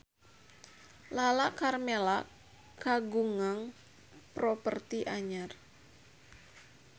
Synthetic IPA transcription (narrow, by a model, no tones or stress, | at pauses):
lalaʔkarmela | kaɡuŋaŋ | pɾopərt̪iʔaɲar